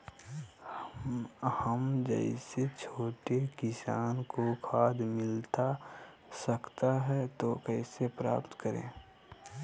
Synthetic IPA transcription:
həmd͡ʒə̰ɪset͡ʃʰoːʈekɪsaːnkokʰaːd̪mɪlt̪a | səkt̪aɦɛt̪okɛɪsepɾa̰ːpt̪kəɾḛ̃ː

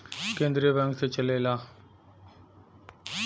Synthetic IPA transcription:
kẽːnd̪ɾibə̃ŋk̚t̪ʰet͡ʃəleːlaː

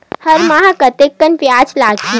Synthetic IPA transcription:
hɐɾmaɦakɐt̪ekːənpjaːt͡ʃlaːɡi

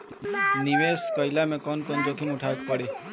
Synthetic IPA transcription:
niʋeskəjlamẽkɔnkond͡ʒokʰinuʈʰak̪̚pəɽi

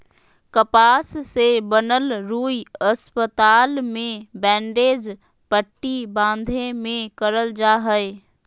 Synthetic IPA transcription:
kəpaːsːebənəlɾuːjəspət̪aːlmẽbɛ̃ːɳɖeːd͡ʒ | pəʈːibãːnd̪ʱemẽkəɾəld͡ʒaːɦəɪ

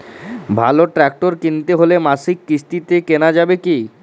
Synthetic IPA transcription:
bʱaloʈɾɛk̚ʈoɾkint̪eɦolemasikːɾiʃt̪it̪ekenad͡ʑabeki

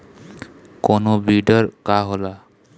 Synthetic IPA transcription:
konobidɔɹkaɦola

